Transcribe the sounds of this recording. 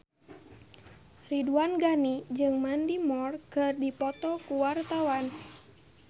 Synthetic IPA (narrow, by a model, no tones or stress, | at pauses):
riduanɡanid͡ʒɨŋmandimɔrkɨrdipɔt̪ɔkuwart̪awan